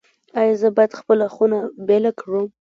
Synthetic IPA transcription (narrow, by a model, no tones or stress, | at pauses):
ajazəbajad̪xpəlaxunabelakɽum